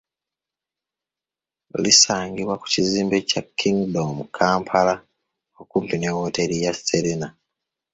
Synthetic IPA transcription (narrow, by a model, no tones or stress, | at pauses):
o̰lisaːɲɡiβwaku̥ciziːmbe̞cakʰːiŋɡdomukʰaːmpʰala | okuːmpinewoːte̞ɾijasteɾena